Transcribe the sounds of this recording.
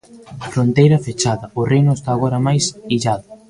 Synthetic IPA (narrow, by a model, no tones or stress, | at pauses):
fɾont̪ejɾɐfet͡ʃaðɐʊrejnoest̪aːɣoɾɐmajsiʎaðʊ